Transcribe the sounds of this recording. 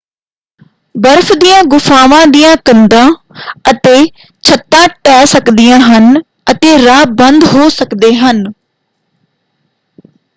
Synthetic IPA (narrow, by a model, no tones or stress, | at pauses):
bəɾfʰd̪ijãːɡʊfʰaːʋãːd̪ijãːkənd̪ãː | ət̪eː | t͡ʃʰət̪ːãːʈɛːsəkd̪ɪjãːɦən | ət̪eːɾaːbənd̪ɦoːsəkd̪eːɦən